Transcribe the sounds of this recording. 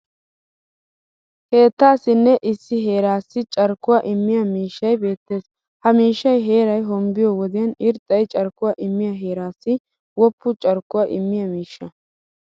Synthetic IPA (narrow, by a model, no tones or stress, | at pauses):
ke̞ːt̪ːaːsɪnːɛʔɪsːɪɦe̞ːɾaːsːɪt͡ʃʼɐɾkːʊwaːʔɪmːɪjɐmiːʃːɐjbe̞ːt̪ːe̞ːs | hɐmiːʃːɐjɦe̞ːɾɐjɦɔmbɪjɔwɔd̪ɪjɐnɪɾt̪ʼːɐjt͡ʃʼɐɾkːʊwaːʔɪmːɪjɐɦe̞ːɾaːsːɪ | wɔpːʊt͡ʃʼɐɾkːʊwaːʔɪmːɪjɐmiːʃːɐ